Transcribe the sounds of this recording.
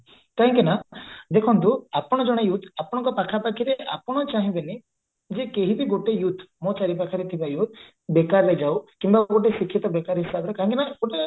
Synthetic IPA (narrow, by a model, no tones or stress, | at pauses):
kaɦɔŋkinad̪ekʰɔnt̪uapɔɽ̃ɔd͡ʒɔɽ̃ejut̪apɔɽ̃ɔŋkɔpakʰapakʰiɾeʔapɔɽ̃ɔt͡ʃaɦĩbeni | d͡ʒekeɦibiɡoʈejut̪ʰmɔt͡ʃaɾipakʰaɾit̪ʰibajut̪̚ʰ | bekaɾled͡ʒawkimbaɡoʈesikʰjit̪ɔbekaɾɦisabɔɾekaɦɔ̃ŋkinaɡ̥oʈe